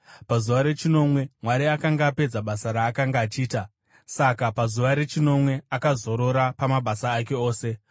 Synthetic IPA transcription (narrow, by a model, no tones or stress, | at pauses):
pazuʋaɾe̞t͡ʃino̞mwe̞mwaɾiakaŋɡaːpe̞d͡zaɓasaɾaːkaŋɡaːt͡ʃiːta | sakapazuʋaɾe̞t͡ʃino̞mwe̞akazo̞ɾo̞ɾapamaɓasaːke̞o̞ːse̞